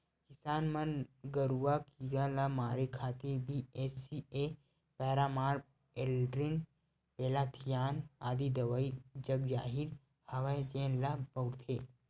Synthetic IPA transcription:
kɪsaːnmɐnɡəɾuwakiɾalamaːɾekʰaːt̪iɾbieːsie | pɛːɾaːmaːɾ | elɖɾin | peːlat̪ʰijaːna̰ːd̪id̪ɐʋaid͡ʒɐɡd͡ʒaːɦiɾ | hɐʋajd͡ʒeːnlapɐɡɾt̪ʰeː

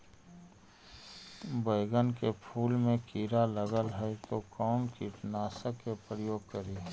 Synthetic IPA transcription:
bəɪɡənkepʰuːlmẽkiːɾaləɡəlɦɛɛt̪okɔːnkiʈnaːsəkːepɾəjoːɡ̚kəɾiː

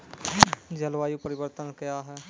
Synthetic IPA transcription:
d͡ʒɐlʋaːjupəɾɪʋəɾt̪ənkɐjaɦɛː

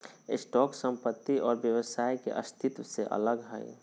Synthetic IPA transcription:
ɪsʈɔːksə̃mpət̪ːiʔɔːɾbjəwəsaːikḛʔə̰st̪ʰɪt̪seʔə̰ləɡɦɛ̰e

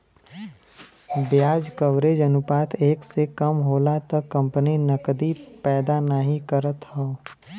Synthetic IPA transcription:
bjaːd͡ʒkəwɾed͡ʒənʊpaːt̪ʰeːksekɐmɦoːlat̪ɐkːɐ̃mpəninɐkd̪ipɛːd̪anəɦĩkəɾət̪ɦɔoː

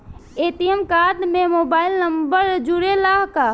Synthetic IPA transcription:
eːt̪ijəmkaːd̪mẽmoːbaːɪlnəmbəɾd͡ʒuɾelaːɦka

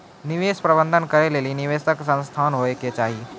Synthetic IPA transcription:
nɪʋeːspɾɐbə̃nd̪ʱənkɐɾeleːliniʋeːsəksə̃nst̪ʰaːnɦoeket͡ʃaːɦie

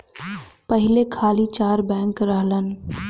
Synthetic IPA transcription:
pəɦɪlekʰaːlit͡ʃaːɾbɛ̃ːŋkɾəɦlən

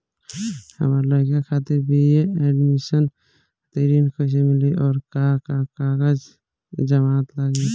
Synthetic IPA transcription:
hə̰məɾləkakʰat̪iɾbʱijeɛɖmisən | t̪eɾiːnkʰos̬emɪliʔɔːɾkakakaɣəd͡ʒ | d͡ʒəmaːt̪laɡe

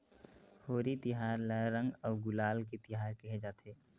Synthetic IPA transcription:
hoːɾit̪ɪɦaːɾləːə̃ŋɡɔːɡʊlaːlket̪ɪɦaːɾkɛɦed͡ʒaːt̪ʰeː

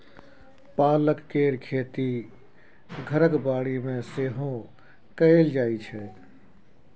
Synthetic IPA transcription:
paːləkːeːɾkʰeːt̪i | ɡʱəɾəkbaːɽimẽseːɦõ | kəeld͡ʒaːit͡ʃʰɛ

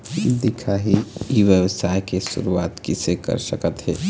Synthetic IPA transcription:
d̪ikʰaɦiiʋjəʋəsajkesṵɾuaːt̪kisekə̰ɾsəkət̪ɦɛː

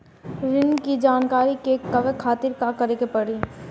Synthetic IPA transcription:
ɾɪnkid͡ʒaːnkaːɾikekɐʋekʰaːt̪ɪɾkakɐɾeːkepɐɽiː

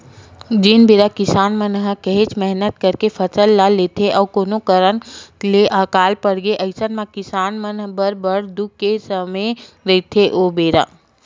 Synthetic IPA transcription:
d͡ʒɪnbeːɾakɪsaːnmənɦəkəɦet͡ʃmɛɦnət̪̚kəɾkepʰəsəlːalːet̪ʰeʔɔːkoːnokəɾənleʔaːkaːlpəɽɡeʔɐɪsənmãkɪsaːnmənɦbəɾbəɽd̪ukkesəme | ɾət̪ʰeʔoːbeːɾa̰

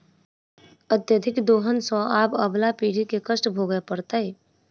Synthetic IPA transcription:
ət̪jəd̪ʱɪkd̪oːɦənsɔ̃aːbəblapiːɽikekəsʈbʱoɡəepəɾt̪ai

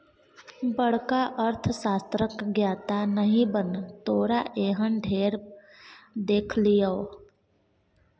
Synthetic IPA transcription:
bəɽkaʔəɾt̪ʰsaːst̪ɾəkɡjaːt̪anəɦĩbənt̪oːɾaʔeːɦənɖʱeːɾ | d̪eːkʰlijao

